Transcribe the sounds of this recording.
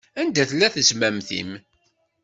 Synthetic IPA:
ænd̪æθlːæθəzmæmθḭm

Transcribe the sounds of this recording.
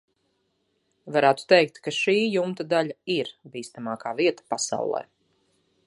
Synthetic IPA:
vaɾæːt̪u̥t̪ɛjk̚t̪kaʃiːjumt̪ad̪aʎaiɾbiːst̪amaːkaːviɛt̪ḁpasa̰wlˠɛ̰ː

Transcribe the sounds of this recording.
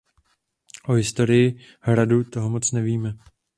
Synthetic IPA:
ʔoɦɪst̪o̞ɾɪjɪ | hɾadut̪o̞ɦomo̞t͡snɛviːmɛ

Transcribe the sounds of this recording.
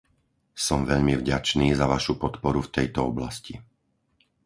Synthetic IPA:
sɔmʋɛʎmivɟat͡ʃniːzaʋaʃupɔt̪pɔɾuft̪ɛjt̪ɔɔblasci

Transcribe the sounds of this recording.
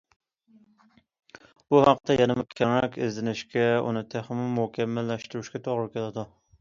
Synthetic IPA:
buhaqːt̪ɛjʔɛnɪmɪqkʲʰɛŋɛkʲɪ̰zd̪ɪnɪʃkʲɛṵnɪt̪ʰæχɪmɪmʊhkʲʰɛmːælːæʃt̪ɨɾuʃkʲɛt̪ʰoʁɨɾkʲʰelɪd̪u

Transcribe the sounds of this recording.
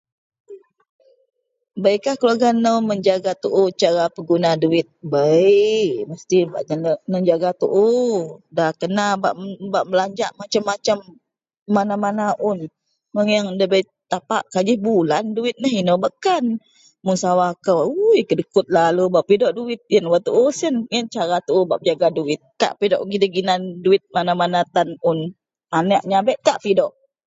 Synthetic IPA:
bəjkahkəluaɡanːəwməɲd͡ʒaɡat̪uʔut͡ʃaɾapəɡunaduwɪt̪̚bəjməst̪ibaʔnənənəd͡ʒaɡat̪ṵʔudakənaba̰ʔbaʔməlaɲd͡ʒaʔmat͡ʃamːat͡ʃamː | anamanaʔʊn | məŋjaŋdəbəj | t̪apaʔkad͡ʒɪhbulanduɪt̪̚nəɦinobəkan | munsawakəwujkədəkʊt̪̚lalubaʔpidɔʔduwɪt̪̚jənwat̪uʔusənjənt͡ʃaɾat̪uʔubaʔbəd͡ʒaɡaduɪt̪̚ka̰ʔpidɔʔɡidəɡinanduɪt̪̚manamanat̪anʊn | anəʔɲabɛʔkaʔpidɔʔ

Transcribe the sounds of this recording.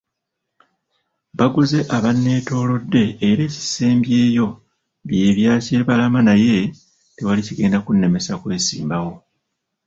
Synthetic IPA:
βaɡuze̞ʔaβanːe̞ːto̞ːlo̞dːe̞ːɾe̞ːci̥se̞ːmbje̞ːjo̞ | βje̞ːβjaːce̞βalamanaje̞ | tewaliciɡe̞ːndakunːe̞me̞sakwe̞ːsḭːmbawo̞

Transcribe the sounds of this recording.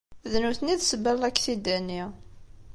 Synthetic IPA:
ðnuθniðsəbælækːθid̪ænːi

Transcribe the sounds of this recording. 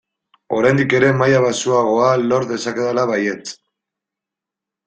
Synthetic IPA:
o̞ɾajnd̪ike̞ɾe̞majaβasuaɣ̞o̞alo̞ɾðe̞sake̞ðalaβaje̞t͡s

